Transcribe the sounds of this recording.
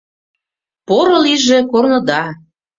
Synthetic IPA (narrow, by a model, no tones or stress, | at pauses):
poɾɤ̆liʒĕkornɤ̆d̪ɑ